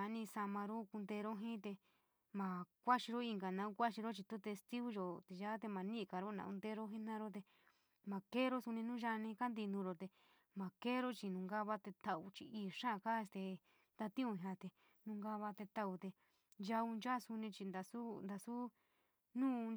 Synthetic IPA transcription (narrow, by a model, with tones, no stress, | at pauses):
a˨˦nĩ˧sa˧mã˧ɾo˦ku˧nd̪e˧ɾo˦ɦĩ˦t̪e˧ | mã˨kʷa˦ʃi˧ɾo˦i˧ŋɡa˨nã˧˦u˦kʷa˦ʃi˧ɾo˦t͡ʃi˧t̪u˦t̪e˧st̪i˦ɣu˦jo˧t̪e˧˨ʒa˦t̪̬e˧mã˨nĩ˦˧ka˨ɾo˦nã̰˨u˧d̪e˧ɾo˦ɦĩ˦nã˧ɾo˦t̪̬e˧ | mã˨ke˦ɾo˦su˧nĩ˧nũː˦ʒa˧nĩ˧ka˦nd̪i˧nũ˧ɾo˧t̪e˧ | mã˨ke˦ɾo˦t͡ʃi˧nũ˨ŋɡa˦βa˧t̪e˧t̪a˧u˧t͡ʃi˧iː˧˨ʂã˦˨˧ka˦e˧st̪e˧ | nd̪a˧t̪ĩ˦ũ˧˨ɦã˧t̪e˧ | nũ˧ŋɡa˧βa˧t̪e˧t̪a˧u˧t̪e˧ | ʒa˧u˧nd͡ʒa˦su˧nĩ˧t͡ʃi˧nd̪a˧su˦nd̪a˧su˦ | nũː˦˧